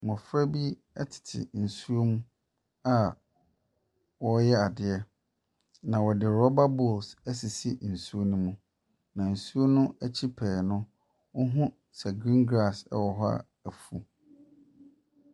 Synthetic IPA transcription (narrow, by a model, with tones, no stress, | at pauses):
mɔ̃˨fɾa˦bi˦ | ɛ˦tʰɪ̥˨tʰɪ̰˨n̩˨su˦o˦mũ˦ | a˦ | wɔ˦jɛ˦a˨dɪ˨ɛ˦ | nã˨wɔ˨dɪ˨ɾɔ˦ba˦bɔ˦˨lsæ˦s̬i˨si˦n̩˨su˦o˦nũ˦mũ˨ | nã˨n̩˨su˦o˦nʊ̃˦æ˦t͡ɕʰi˦pʰɛː˨nʊ̃˦ | wʊ˦ɦʊ̃˦ | sɛ˨ɡɾĩ˦ŋɡɾa˦˨sɛ̰˦wɔ˨ɦɔ˦a̰˦ | æ˨fu˨